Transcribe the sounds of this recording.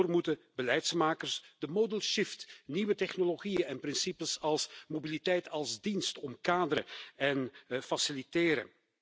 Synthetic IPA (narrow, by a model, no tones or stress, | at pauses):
rmutəbəlɛjtsmaːkərsdəmodəlˠʃɪftniʋətɛχnoloɣijənɛnprɪnsipəsɑlˠsmobilitɛjtʰɑlˠzdinstɔmkaːdəɾəɛnfasilitɪːɾə̰